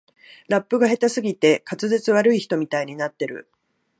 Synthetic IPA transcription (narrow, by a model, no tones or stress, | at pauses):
ɾapːɯ̟ɡaɦe̞t̪asɨɡʲit̪e̞kat͡sɨzet͡sɨβaɾɯ̟içi̥t̪o̞mʲit̪aiɲ̟inat̪ːe̞ɾɯ̟̰